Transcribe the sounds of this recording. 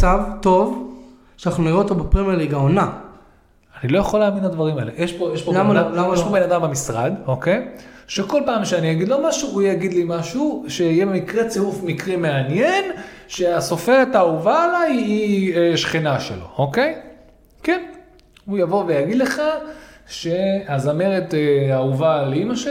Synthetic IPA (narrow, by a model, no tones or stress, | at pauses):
t͡savt̪o̞v | ʃanaχnuniʁeotobepʁimeʁliɡaona | anilo̞jaχoleaːminad̪vaʁimaelejeʃpojeʃpoaeʃpobenad̪amamisʁa̰d̪oke̞jʃe̞ko̞lpaːmʃeanijaɡid̪lo̞maʃuujaɡid̪limaʃuʃejebemikʁe̞t͡siufmikʁime̞anjen | ʃeaso̞fe̞ʁe̞t̪auvaːlajieʃχinaʃḛlo̞̰oke̞j | ken | ujavo̞vejaɡid̪le̞χaʃe̞azame̞ʁe̞teauvaleimaʃe